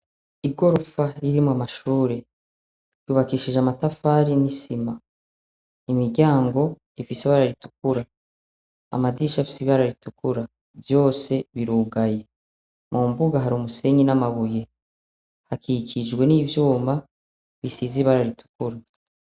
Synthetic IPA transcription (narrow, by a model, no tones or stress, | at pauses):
iɡo̞ɾofaɾiɾimŋoamaʃuːɾe̞ | juβakiːʃiʒeamatafaɾinisima | imiɟaːŋɡo̞ | ifiseβaɾaɾitu̥k̚uɾa | a̰madiʃafi̥siββaɾaɾitukuɾa | vjo̞ːse̞βiɾuːɡaje̞ | mumbuɡaɦaɾiumuse̞ɲinamaβuje̞ | hakikʰid͡ʒɡwe̞niːvjuːmba | βisiziβaɾaɾitu̥kuɾa